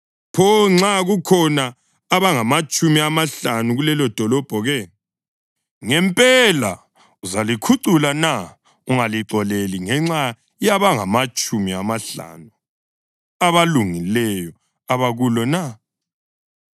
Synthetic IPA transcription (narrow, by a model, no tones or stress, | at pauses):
pʰɔŋ͡ǁaɣukʰɔnaː | βaŋamat͡ʃʼumiamaɬanuɣulɛlɔd̥ʱɔlɔb̥ʱɔɣɛ | ŋɛmpʼɛla̰ | uzalikʰuǀulana | uŋaliǀɔleliŋɛŋ͡ǁa | jaβaŋamat͡ʃʼumiamaɬa̰nu | aβaluŋilɛjɔ | aβaɣulɔna